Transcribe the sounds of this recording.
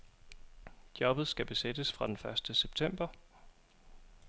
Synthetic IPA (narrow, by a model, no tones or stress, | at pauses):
d̥jɒ̽b̥ð̞̩ˠsɡ̥æb̥e̝sed̥əsfʁɑ̈d̥enfɶɐsd̥əseb̥̚t͡sʰem̰b̥ɐ